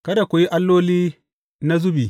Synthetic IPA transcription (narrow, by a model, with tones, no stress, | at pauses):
kɐ˦da˨kʷʊ˨ji˦ʔa˦lːoː˦liː˦ | na˦zʊ˦bi˨